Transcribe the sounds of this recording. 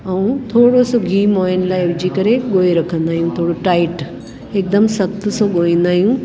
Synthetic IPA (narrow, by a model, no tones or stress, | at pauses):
ɐũt̪ʰoːɽosoɡʱiːmɔːjnlaːɪʋd͡ʑiːkɐɾeɠoːeɾɐkʰə̃nd̪aːɦijũt̪ʰoːɽoʈaːɪʈ | ek̚d̪əmsɐk̚t̪soɠoːĩːnd̪aːɦijũ